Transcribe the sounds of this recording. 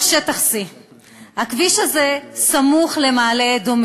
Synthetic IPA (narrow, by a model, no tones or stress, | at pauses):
ʃet̪aχsi | hakviʃaze̞samuχle̞maːled̪om